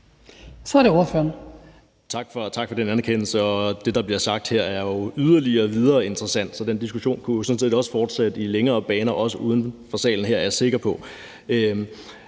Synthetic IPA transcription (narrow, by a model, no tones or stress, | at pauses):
sɒɐɾeo̝ɐføːɐn | t͡sʰɑ̈ɡ̥fɒt͡sʰɑ̈ɡ̥fɒ̽ɾ̥enænɐkʰen̰l̩səɒ̽d̥e̝d̥ɑ̈b̥liɐsɑ̈ɡ̥̚d̥heɐ̰æɐjo̝yð̞ˠɐliɐːʋið̞ˠɐːe̝nd̥ʁɐsæn̰d̥sɒ̽d̥en̰d̥isɡ̥uɕo̝̰ːnkʰujo̝sɔ̽nsʰið̰ˠiɒ̽sə̥fɒːd̥sed̥ileŋɐːb̥ɛːnɐʔɒ̽səʔuːð̞ˠən̩fɒ̽sɛ̰ːln̩ɦeɐ̰ɐjæse̝ɡ̥ɐpʰɒ̽ | ø